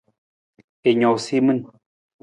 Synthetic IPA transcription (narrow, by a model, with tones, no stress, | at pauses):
e˨ɲo˨simɨ˦n